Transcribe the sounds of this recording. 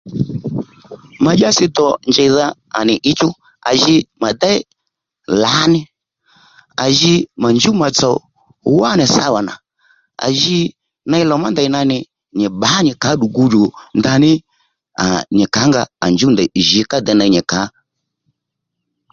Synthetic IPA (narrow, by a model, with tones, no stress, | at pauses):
ma˨ʄa˦sɪ˦t̪ɔ˨nd͡ʒɛ˨ða˦ | a̰˨nɪ˨ʔɪ˦t͡ʃʊ˦ | a̰˨ʒɪ˧ma˨d̪a˦ɪ˦ | la˨˦nɪ˦ | a˨ʒɪ˧ma˨nd͡ʒu˦ma˨t͡sɔ˨˦ | wa˦nɪ˨sa˧wa˨na̰˨ | a̰˨ʒɪ˦ | na˧ɪ˧˦lɔ˨ma˦nda˨˦na˧nɪ˨ | ɲɪ˨ɓa˨˦ɲɪ˨ka˨˦ɗu˨ɡu˧d͡ʒo˨nda˧nɪ˦ | a˨ɲɪ˨ka˨˦ŋɡa˧a˨nd͡ʒu˦nda˨ʒi˨˧˦ka˦d̪ɛ˨˦na˧˦ɲɛ˨ka˨˦